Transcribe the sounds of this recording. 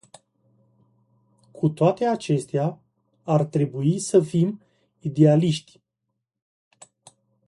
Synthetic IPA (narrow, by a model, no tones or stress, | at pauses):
kʰut̪oat̪e̞at͡ʃe̞st̪ea | art̪ɾe̞buisəfim | id̪e̞aliʃt̪ʲ